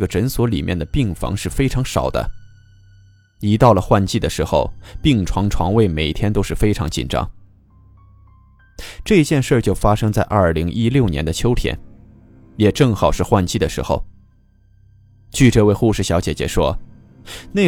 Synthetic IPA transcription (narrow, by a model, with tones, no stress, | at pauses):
ɡə˩ʈ͡ʂə˧˥nswɔ˧˥li˨˩mjɛ˥˩nd̪ə˩pi˥˩ŋfɑ̰˧˥ŋʂɻ̩˥˩fe˥ɪʈ͡ʂʰɑ˧˥ŋʂɑ˨˩ʊd̪ə̰˦ | i˧˥t̪ɑ˥˩ʊlə˩xwa˥˧nt͡ɕi˥˩d̪ə˩ʂɻ̩˧˥xo˥˧ʊpi˥˩ŋʈ͡ʂʰwɑ˧˥ŋʈ͡ʂʰwɑ̰˧˥ŋwe˥˩ɪme˨˩ɪ˩t̪ʰjɛ˥nt̪o˥ʊʂɻ̩˥˩fe˥ɪʈ͡ʂʰɑ˧˥ŋt͡ɕḭ˨˩nʈ͡ʂɑ̰˥ŋ | ʈ͡ʂɤ˥˧i˧˥t͡ɕjɛ˥˧nʂə˥˩t͡ɕjo˥˩ʊfa˥ʂɤ˥ŋt͡sa˥˧ɪʔɐ˞˥˩li˧˥ŋʔi˥ljo˥˩ʊnjɛ̰˧˥nd̪ə˧t͡ɕʰjo˥ʊt̪ʰjɛ̰˧˥n | jɛ˨˩ʈ͡ʂɤ˥˩ŋxɑ˨˩ʊʂɻ̩˥˧xwa˥˧nt͡ɕi˥˩d̪ə˩ʂɻ̩˧˥xo̰˥˧ʊ | t͡ɕʰy˥˧ʈ͡ʂɤ˥˧we˥˧ɪxu˥˧ʂɻ̩˥˩ɕjɑ˧˥ʊt͡ɕjɛ̰˨˩t͡ɕjɛ̰˧˥ʂwɔ˥ | ne˥˩